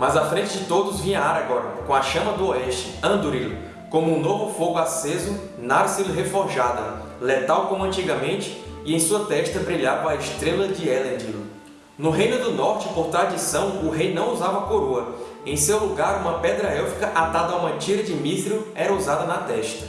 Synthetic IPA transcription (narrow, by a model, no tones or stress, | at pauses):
mazafɾẽnt͡ʃɪd͡ʒɪt̪od̪ʊzvĩɲɐaɾaɡɔɾɐkõw̃ɐʃɐ̃mɐd̪ʊɔɛʃt͡ʃɪ̥ɐ̃d̪uɾilʊ̰ | kõmʊũnovʊfoɡʊasezʊ | naɾsilɦefɔɾʒad̪ɐ | let̪awkõmʊɐ̃nt͡ʃiɡɐmẽnt͡ʃɪ̥ | ɪẽj̃suɐt̪ɛʃt̪ɐbɾiʎaɾvaiʃt̪ɾelɐd͡ʒɪɛlɐ̃nd͡ʒ̪ilʊ | nʊɦejnʊd̪ʊnɔɾt͡ʃɪpoɾt̪ɾad̪isɐ̃w̃ʊɦejnɐ̃w̃uzavɐakoɾoɐ | ẽj̃sewluɡaɾũmɐpɛd̪ɾɐɛwfikɐʔat̪ad̪ɐaũmɐt͡ʃiɾɐd͡ʒɪmifɾiʊɛɾɐuzad̪ɐnɐt̪ɛʃt̪ɐ̥